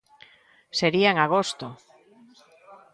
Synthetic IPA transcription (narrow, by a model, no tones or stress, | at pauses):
seɾiaeŋaɣ̞ost̪o